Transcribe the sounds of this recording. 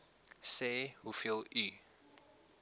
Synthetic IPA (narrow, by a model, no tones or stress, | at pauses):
sehufilˠi